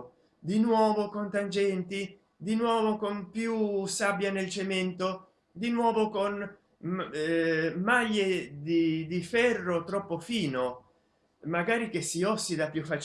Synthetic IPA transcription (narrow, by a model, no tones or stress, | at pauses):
d̪inwɔːvokont̪and͡ʒɛnt̪i | d̪inwɔːvokonpjusabːjanelt͡ʃemɛnt̪o | d̪inwɔːvokon | maʎːed̪id̪ifɛrːot̪ɾɔpːofiːno | maɡaːɾik̟esːiɔsːid̪apːjufat͡ʃ